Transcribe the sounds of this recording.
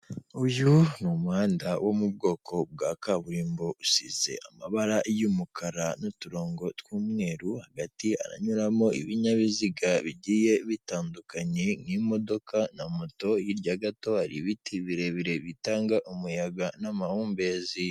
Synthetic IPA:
ujunumuhaːndawʔo̞mub̚ɡo̞ːkʰo̞b̚ɡaːkaβuɾiːmbousize̞̰ʔamaβaɾajumukʰaɾanotuɾo̞ːŋɡo̞twuːmŋe̞ːɾuhaɡatia̰ɾa̰ɲuɾamo̞ḭβiɲaβiziɡaβiɟiːje̞βitaːndukaɲe̞ŋimo̞do̞kʰanamoto̞jiɾɟaɡato̞haɾḭβitiβiɾe̞βiɾe̞βitaːŋɡaʔumujaɡanamahuːmbe̞ːzi

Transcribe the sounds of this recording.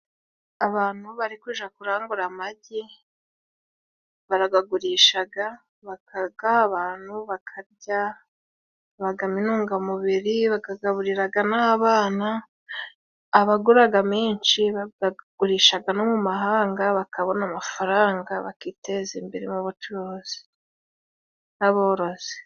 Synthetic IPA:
aβaːn̥huβaɾikwiːʒakuɾaːŋɡuɾamaɟi | βaɾaɡaɡuɾiːʃaɡa | βakaɡaːβaːn̥huβakʰaɾɟa | βaɡaminuːŋɡamuβiɾiβakaɡaβuɾiɾaɡanaːβaːna | βaɡuɾaɡameːnʃiβaɡaɡuɾiːʃaɡanomumaɦaːŋɡaβakʰaβo̞namafaɾaːŋɡaβa̰kiːte̞zimbeɾemuβut͡ʃuɾoːz̥i̥ | naβo̞ːɾo̞z̥e̥

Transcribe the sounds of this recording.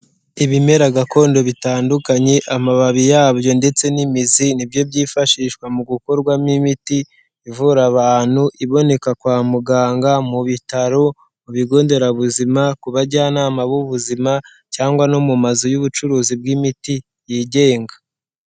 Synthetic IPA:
iβime̞ɾaɡako̞ːndo̞βitaːndukaɲe̞ʔamaβaβijaːβjo̞nde̞t͡se̞nimizinibjo̞bɟiːfaʃiːʃkwamuɡuko̞ɾɡwamnimitiː | vuɾaβaːn̥huʔiβo̞ne̞kakwaːmuɡaːŋɡamuβitaɾo | uβiɡo̞ːnde̞ɾaβuzimakuβaɾɟaːnaːmaβuβuzima | caːŋɡwanomumazojuβut͡ʃuɾuːzib̚ɡimiti | jiːɟe̞ːŋɡa

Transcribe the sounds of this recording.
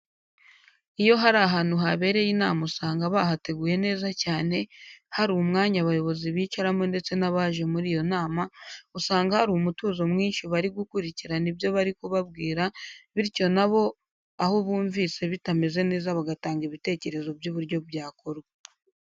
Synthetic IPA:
ijo̞ɦaɾaɦaːnuɦaβe̞ːɾe̞jinaːmausaːŋɡaβaɦate̞ɡuːje̞ne̞ːzacaːne̞haɾuːumŋaːɲaβajo̞βo̞ziβiːt͡ʃaɾamŋonde̞t͡se̞naβaʒe̞muɾijo̞naːmausaːŋɡahaɾuumutuːzo̞mŋiːnʃiβaɾiɡukuɾiciɾanibjo̞βaɾikuβabɡiːɾaβiɾco̞naβo̞ | ahoβuːɱviːse̞βitame̞ze̞ne̞ːzaβaɡataːŋɡiβite̞ːce̞ɾe̞zo̞bjuβuɾɟo̞bjaːkoɾ

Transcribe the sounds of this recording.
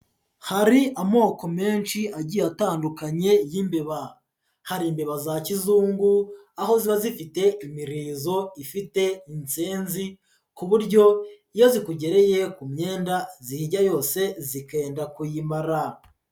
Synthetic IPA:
haɾiʔamo̞ːko̞me̞ːnʃiaɟijataːndukaɲe̞jimbeβa | haɾiːmbe̞βazacizuːŋɡu | aho̞ziβazifite̞ʔimiɾiːzo̞ifite̞int͡seːnzi | kuβuɾɟo̞ijo̞zikuɟe̞ɾe̞je̞kumɲe̞ːndazihiɟajo̞ːse̞zike̞ːndakujimaɾa

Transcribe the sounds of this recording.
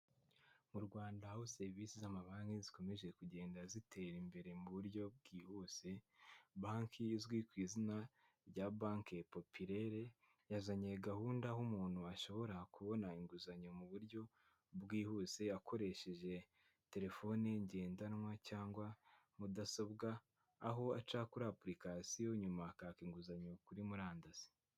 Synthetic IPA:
muɾɡwaːndahahose̞ɾviːsizamaβaːŋɡizi̥ko̞me̞ʒe̞kuɟe̞ːndazitʰe̞ɾimbe̞ɾe̞muβuɾɟo̞b̚ɡiːhuːse̞baːŋkʰiːzɡwikwiːzina | ɾjabaːŋkepo̞pʰiɾe̞ɾe̞ | jazaɲieɡahuːndaɦumuːn̥huaʃo̞βo̞ɾakuβo̞naiŋɡuzaɲomuβuɾɟo̞ | bɡiːhuːse̞akʰo̞ɾe̞ʃe̞ʒe̞ | te̞ɾe̞fo̞neɲɟe̞ːndanwacaːŋɡwamudasobɡaː | ɦo̞at͡ʃaːkuɾaːpɾikasijo̞ɲumakaːkiŋɡuzaɲokuɾimuɾaːndaz̥i̥

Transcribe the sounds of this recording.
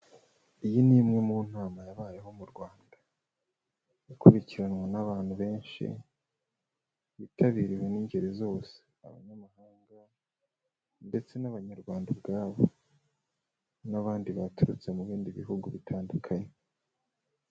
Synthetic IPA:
ijiniːmŋemuːn̥aːmajaβaːjeɦo̞muɾɡwaːnda | ikuɾiciɾanwanaβaːn̥huβe̞ːnʃḭ | βitʰaβiɾiwe̞niːɲɟe̞ɾizo̞ːse̥a̰βa̰ɲamahaːŋɡa | nde̞t͡se̞naβaɲaɾɡwaːndabɡaːβo | naβaːndiβatuɾut͡se̞muβiːndiβiɦuɡuβitʰaːndukʰaɲe

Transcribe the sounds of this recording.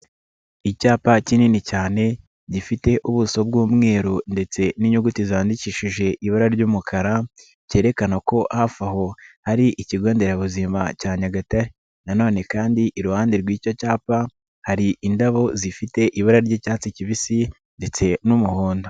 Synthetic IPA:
icaːpacininicaːne̞ | ɟifite̞ʔuβuso̞b̚ɡuːmŋe̞ːɾunde̞t͡se̞niɲuɡutiziaːndiciːʃiʒe̞ʔiβaɾaɾɟuːmukʰaɾa | ce̞ːɾe̞kanako̞ʔhafaho̞haɾiʔiciɡo̞ːnde̞ɾaβuzimacaːɲaɡataɾe | nano̞ːne̞kaːndiʔiɾuhaːndiɾɡwiːcocaːpa | haɾiʔindaβo̞zifite̞ʔiβaɾaɾɟiːcaːt͡siciβisi | nde̞t͡se̞numuhoːndo

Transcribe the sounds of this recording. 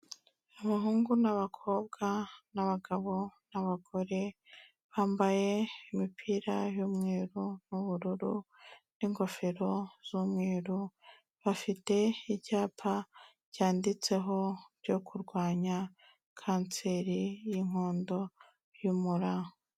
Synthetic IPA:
aβaɦuːŋɡunaβakʰo̞ːb̚ɡanaβaɡaβo̞naβaɡo̞ɾe̞ | βaːmbaje̞imipʰiːɾajuːmŋeːɾun̥uβuɾuɾu | n̥iŋɡo̞feɾo̞z̥umŋeːɾu | βafite̞iɟaːpʰa | ɟjaːndit͡se̞ɦo̞bjo̞kʰuɾɡwaːɲa | kʰaːnt͡se̞ɾijiŋ̥hoːndo̞ | jumuɾaho

